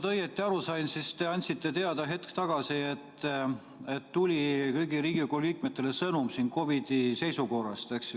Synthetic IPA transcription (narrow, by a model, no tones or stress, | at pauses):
t̪ɤjet̪ˑːiɑɾusɑjnsist̪e̞ɑnʲt̪ʲsit̪ːˑe̞t̪e̞ɑd̪̥ɑɦe̞t̪kt̪ɑɡ̥ɑsie̞t̪ː | e̞t̪ːulʲikɤjɡiɾiːɡikolik̚ˑmet̪ːˑele̞sɤnumsinko̞vid̪̥ise̞jsuko̞rɑ̰st̪eksj